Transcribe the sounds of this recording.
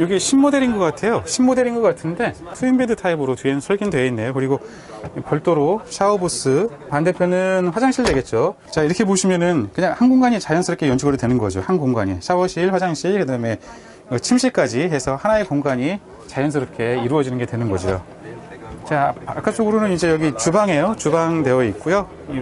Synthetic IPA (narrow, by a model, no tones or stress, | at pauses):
joɡiɕʰimːode̞ɾinɡʌkk͈atʰe̞joɕʰimmode̞ɾinɡʌk͈atʰɯnde̞tʰɯimbedɯtʰaibɯɾotɥiennsʰʌɭɡindwe̞inːejokɯɾiɡo | pjʌɭt͈oɾoɕʰaobus͈ɯ | pande̞pʰjonɯnɸwad͡ʑaŋɕʰiɭdwe̞ɡe̞t̚t͡ɕ͈o | t͡ɕaiɾʌkʰe̞p̬oɕʰimjʌnɯnkɯɲaŋhanɡoŋɡaɲit͡ɕajʌnsʰɯɾʌk͈ʰe̞jʌnt͡ɕʰiɡɯɾotwe̞nɯnɡʌ̰d͡ʑo̰hanɡoŋɡaɲḭɕʰawʌɕʰiɭɸwad͡ʑaŋɕʰiɭkɯdame̞ | kɯt͡ɕʰimɕʰiɭk͈ad͡ʑiɦe̞sʰʌhanae̞koŋɡaɲi | t͡ɕajʌns̬ʰɯɾʌp̚kʰe̞iɾuʌd͡ʑinɯnɡe̞twe̞nɯnɡʌd͡ʑijo̰ | t͡ɕaak͈at͡ɕ͈oɡɯɾonɯnid͡ʑe̞jʌɡit͡ɕubaŋɦe̞jot͡ɕubaŋde̞wʌit̚k͈ujo